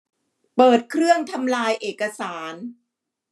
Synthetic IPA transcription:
pɤː˨˩t̪̚kʰɾɯ˥˩əŋt̪ʰa˧mlaː˧jʔeː˨˩kːa˧saː˩˦n

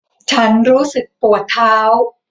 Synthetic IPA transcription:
t͡ɕʰa˦˥nɾuː˦˥sɯ˨˩k̚pu˨˩ət̪ʰːaː˦˥w

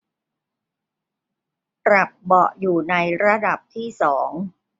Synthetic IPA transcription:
pɾa˨˩p̚bɔ˨˩ʔjuː˨˩na˧jɾa˧da˨˩p̚t̪ʰiː˥˩sɔː˩˦ŋ

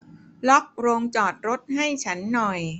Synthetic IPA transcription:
lɔ˦˥p̚ɾoː˧ŋt͡ɕɔː˨˩t̪̚ɾo˦˥t̪̚ha˥˩jt͡ɕʰa˦˥nːɔ˨˩j

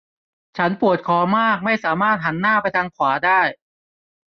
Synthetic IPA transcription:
t͡ɕʰa˦˥npu˨˩ət̪̚kʰɔː˩˦maː˥˩k̚ma˥˩jsaː˩˦maː˥˩t̪̚ɦa˩˦nːaː˥˩pa˧jt̪ʰaː˧ŋkʰwaː˩˦daː˥˩j

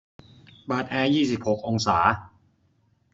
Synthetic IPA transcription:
baː˨˩t̪̚ʔɛː˧jiː˥˩si˨˩p̚ho˨˩k̚ʔo˧ŋsaː˩˦

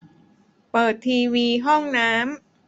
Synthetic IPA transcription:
pɤː˨˩t̪ʰːiː˧wiː˧ɦɔ˥˩ŋnaː˦˥m

